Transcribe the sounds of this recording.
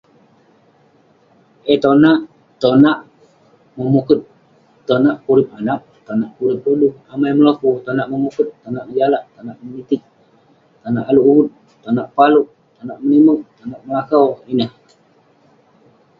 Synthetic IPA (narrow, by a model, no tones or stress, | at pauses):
ʔet̪onaʔ | t̪onaʔ | məmukʊt̪̚ | t̪ːonaʔkuɾɪp̚anaʔ̚ | t̪onaʔkuɾɪp̚uduhamajməlakut̪onaʔməmukʊt̪ːonaʔməd͡ʒalaʔt̪anaʔmənit̪ɪk̪̚ | t̪anaʔaluʔuwʊt̪̚ | t̪ːonaʔpaluʔ | t̪onaʔmənimuʔ̚t̪anaʔməlakawinəh